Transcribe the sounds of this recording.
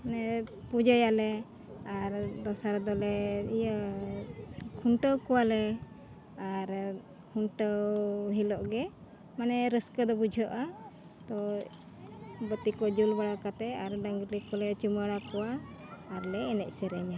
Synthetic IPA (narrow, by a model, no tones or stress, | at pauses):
nɛ | pud͡ʒajaʔlɛ | aɾd̪ɔsaɾd̪ɔlɛijə | kʰuɳʈəwkɔwalɛ | aɾ | kʰuɳʈəwɦilɔʔɡɛ | manɛɾəskəd̪ɔbud͡ʒʱɔʔa | t̪ɔ | bət̪ikɔd͡ʒulbaɽakat̪ɛaɾɖaŋɡɾlikɔlɛt͡ʃuməɽakɔwaːɾlɛːnɛc̚sɛɾɛɲa